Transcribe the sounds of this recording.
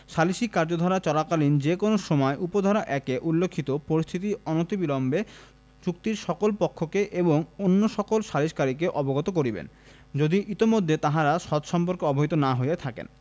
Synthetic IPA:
ʃaliʃikːaɾd͡ʑod̪ʱɔɾat͡ɕɔlakalind͡ʑekonoʃɔmɔeʔupod̪ʱɔɾaʔɛkeʔulːekʰːit̪opoɾist̪ʰit̪iɔnot̪ibilɔmbe | t͡ɕuk̚t̪iɾʃɔkolpokʰːokeʔeboŋonːoʃɔkolʃaliʃkaɾikeʔɔboɡɔt̪ok̬oɾibḛn | d͡ʑod̪iʔit̪imod̪ʱːet̪aɦaɾaʃɔt̪ʃɔmpoɾkeɔboɦit̪onaɦojet̪ʰakḛn

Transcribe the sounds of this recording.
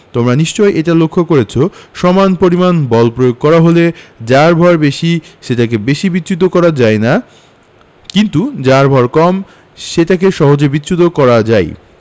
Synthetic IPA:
t̪omɾaniʃt͡ɕɔeʔeʈalokʰːokoɾet͡ɕʰoʃɔmanpoɾimanbɔlpɾojoɡ̚kɔɾaɦoled͡ʑaɾbʱɔɾbeʃiʃeʈak̬ebeʃibit̪ːɕut̪̬okɔɾad͡ʑaena | kint̪ud͡ʑaɾbʱɔɾkɔm | ʃeʈakeʃɔɦod͡ʑebit̪ːɕut̪̬okɔɾad͡ʑae

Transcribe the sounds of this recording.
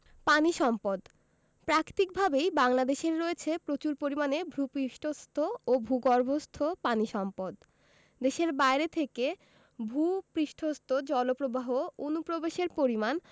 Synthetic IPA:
paniʃɔmpod̪ | pɾakt̪ik̚bʱabejbaŋlad̪eʃeɾːoet͡ɕʰepɾot͡ɕuɾpoɾimanebʱɾupɾiʃʈʰost̪ʰoobʱuɡɔɾbʱost̪ʰopaniʃɔmpod̪ | d̪eʃeɾbaeɾet̪ʰeke | bʱupɾiʃʈʰost̪ʰod͡ʑɔlopɾobaɦoonupɾobeʃeɾpoɾiman

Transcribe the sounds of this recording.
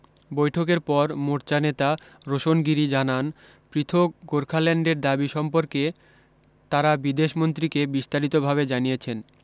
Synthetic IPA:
bojʈʰokeɾpɔɾmoɾt͡ɕanet̪a | ɾoʃonɡiɾid͡ʑanan | pɾit̪ʰokɡoɾkʰalɛɳɖeɾd̪abiʃɔmpoɾke | t̪aɾabid̪eʃmont̪̬ɾikebist̪aɾit̪obʱaβed͡ʑanijet͡ɕʰen

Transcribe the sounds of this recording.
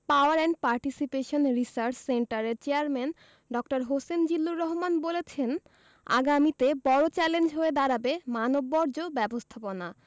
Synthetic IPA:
paoaɾɛɳʈ̚paɾʈisipeʃonɾisaɾt͡ɕseɳʈaɾeɾt͡ɕeaɾmɛn | ɖɔkʈaɾɦosend͡ʑilːuɾːɔɦomanbolet͡ɕʰen | a̰ɡamit̪ebɔɾot͡ɕɛlend͡ʑɦoed̪aɾabemanobːɔɾd͡ʑobɛbost̪ʰapona

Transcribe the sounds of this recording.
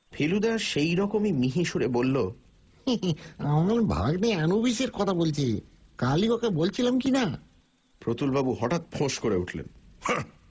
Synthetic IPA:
pʰelud̪aʃejɾɔkomimiɦiʃuɾebolːo | anaɾbʱa̰ɡneanubiʃeɾkɔt̪ʰabolt͡ɕʰekalikɔkabolt͡ɕʰilamkina | pɾot̪ulbabuɦɔʈat̪̚pʰoʃkoɾeuʈʰlḛnhã

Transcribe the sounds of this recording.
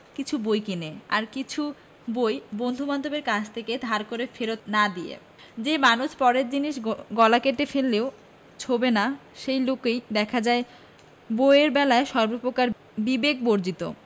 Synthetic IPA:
kit͡ɕʰubojkineaɾkit͡ɕʰu | bojbond̪ʱumand̪ʱobeɾkat͡ɕʰt̪ʰeked̪ʱaɾkoɾefeɾot̪nad̪iḛ | d͡ʑemanuʃpɔɾeɾd͡ʑiniʃɡɔlakeʈefelːeo | t͡ɕʰobenaʃejlokejd̪ɛkʰad͡ʑae | boeeɾbɛlaeʃɔɾbopɾokaɾ | bibek̚boɾd͡ʑit̪o̰

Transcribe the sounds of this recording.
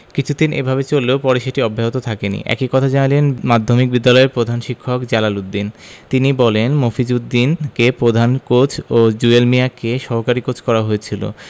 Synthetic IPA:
kit͡ɕʰud̪inʔḛbʱabet͡ɕolːeopɔɾeʃeʈiɔbʱːaɦot̪ot̪ʰakenḭʔɛ̰kikɔt̪ʰad͡ʑanalenmad̪ʱːomik̚bid̪ːalɔeɾpɾod̪ʱanʃikʰːokd͡ʑalalud̪ːint̪inibɔlenmofid͡ʑud̪ːinkepɾod̪ʱankot͡ɕʰod͡ʑuelmiakeʃɔɦokaɾikot͡ɕʰkɔɾaɦoet͡ɕʰilo̰

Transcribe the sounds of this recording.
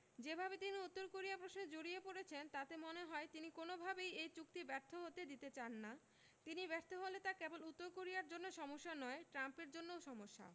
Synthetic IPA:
d͡ʑebʱabet̪iniut̪ːoɾkoɾijapɾoʃned͡ʑoɾijepoɽet͡ɕʰent̪at̪emoneɦɔet̪inikonobʱabejejt͡ɕuk̚t̪ibɛɾt̪ʰoɦot̪ed̪it̪et͡ɕanːa | t̪inibɛɾt̪ʰoɦolet̪akɛbolut̪ːoɾkoɾiaɾd͡ʑonːoʃɔmoʃːanɔeʈɾampeɾd͡ʑonːooʃɔmoʃːa̰

